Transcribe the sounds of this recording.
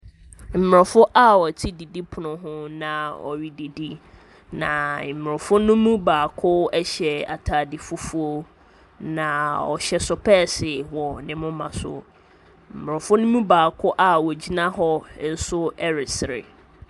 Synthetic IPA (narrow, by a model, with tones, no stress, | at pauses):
m̩˨m˨ɾɔ˨fʊ˦ʔa˦wɔ˨tʰi˦di˨di˦pʰʊ˨nʊ̃˨ɦʊ̃˦nã˨ɔ̰˨ɥi˦de˨di˦ | nã˨m̩˨m˨ʊ̃˨fʊ˦nʊ̃˦mũ˦baː˨kʰʊ˦ɛ˦ɕɛ˨a̰˨tʰaː˨dɪ˨fʊ˦fu˦o˦ | nã˨ɔ̰˨ɕɛ˨sʊ˨pʰɛː˦˨sɪ˨wɔ˨nɪ̃˨mʊ̃˦mã˨sʊ̰˦ | m̩˨m˨ʊ˨fʊ˦nʊ̃˦mũ˦baː˨kʰʊ˦ʔa˦wɔ˨d͡ʑi˦nã˦ɦɔ˦n̩˦sʊ˦ɛ˦ɾɪ˨sɪ˨ɾɪ̰˨